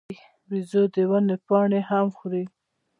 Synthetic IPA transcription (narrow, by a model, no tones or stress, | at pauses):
wizod̪əwanepɑɳehamxɾi